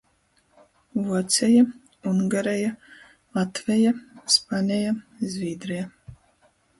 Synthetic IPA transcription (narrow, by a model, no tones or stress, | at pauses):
vuɔt̪sʲɛja | uŋɡaɾɛja | lˠat̪vʲɛjaspanʲɛjazʲvʲiːd̪ɾɛja